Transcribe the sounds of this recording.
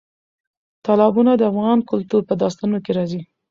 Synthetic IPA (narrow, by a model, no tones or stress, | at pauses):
t̪ɑlɑbunad̪əafɣɑnkʊlt̪uɾpəd̪ɑst̪anokeɾɑzi